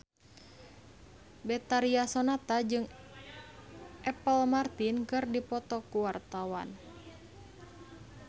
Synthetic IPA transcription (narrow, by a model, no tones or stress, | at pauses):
bɛt̪aɾiasɔnat̪ad͡ʒɨŋ | ʔɛpəlmart̪inkɨrdipɔt̪ɔkuwart̪awa̰n